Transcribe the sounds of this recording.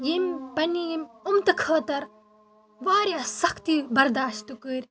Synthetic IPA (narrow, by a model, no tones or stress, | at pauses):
jimpɐnijmumt̪ɐkʰɐːt̪ɐɾ | ʋaːɾjaːsɐkt̪ibɐɾd̪aːʃt̪ukɨɾʲ